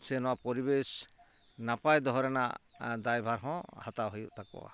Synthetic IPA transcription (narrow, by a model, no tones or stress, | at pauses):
sɛnɔwapɔɾibes | napajd̪ɔɦɔɾɛna̰ | d̪ajbʱaɾɦɔ̃hat̪aɦojuʔt̪ʰak̚ɔ̰a̰